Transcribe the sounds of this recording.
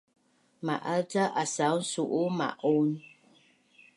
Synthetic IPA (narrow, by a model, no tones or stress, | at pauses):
ma̰ʔataʔasan̩suʔuma̰ʔon